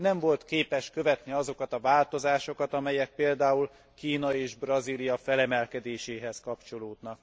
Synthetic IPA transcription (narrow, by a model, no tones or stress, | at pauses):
nɛɱvo̞lt̪keːpɛʃkø̞vɛt̪niɒzo̞kɒt̪ɒvaːlt̪o̞zaːʃo̞kɒt̪ɒmɛjɛk̚peːld̪aːul | kiːnɒeːʒbrɒzilijɒfɛlɛmɛlkɛd̪eːʃeːɦɛskɒpt͡ʃo̞loːd̪nɒk